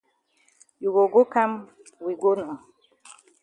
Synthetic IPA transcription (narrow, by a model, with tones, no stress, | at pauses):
ju˨ɡo˨ɡo˦ka˦m | wi˨ɡo˦nɔ˨